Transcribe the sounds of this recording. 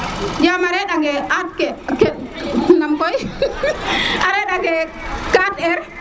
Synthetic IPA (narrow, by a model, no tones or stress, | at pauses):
d͡ʒamaɾɛɗaɡɛat̚kɛkɛnamkɔj | aɾɛɗaɡɛkatɛɾ